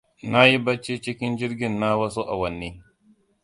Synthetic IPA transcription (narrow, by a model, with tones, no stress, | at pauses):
na˦ji˦bɐ˦t͡ʃːi˦t͡ʃɪ˦kʲɪ˦nd͡ʒɪ˦ɾɡʲɪ˦nːa˦wɐ˦su˦ʔa̰˨wɐ˨nːiː˦